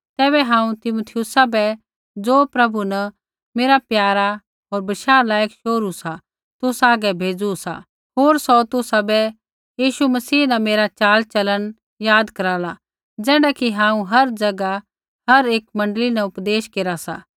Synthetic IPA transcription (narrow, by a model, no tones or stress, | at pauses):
t̪ɛːbɛɦãːũt̪ɪmot̪ʰɪjʊsabɛ | d͡zoːpɾɐbunɐ | meːɾapjaːɾa | ɦoːɾbɐʃaːlaːjəkʃoːɾusa | t̪ʊsaːɡɛbʱeːd͡zusa̰ | ɦoːɾsɔt̪ʊsabɛ | jiːʃumɐsiːnɐmeːɾat͡ʃaːlt͡ʃɐlən | jaːd̪kɐɾaːla | d͡ʒɛːɽakiɦãːũɦɐɾd͡ʒɐɡa | ɦɐɾeːkmɐ̃ɳɖlinɛʊpd̪eːʃkeɾasa̰